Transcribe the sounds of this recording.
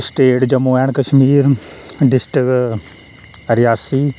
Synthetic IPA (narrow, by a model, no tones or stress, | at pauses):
sʈeːʈd͡ʒɐmuːɛːɳ̃kɐʃmiːɾɖɪsʈɪk | ɾɪjaːsiː